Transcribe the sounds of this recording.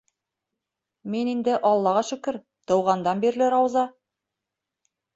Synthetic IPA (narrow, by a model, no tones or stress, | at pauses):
menind̪ɘʔɑlˠːɑʁɑʃɵ̆kɘɾ | t̪ŏwʁɑnd̪ɑnbiɾlɘɾɑwzɑ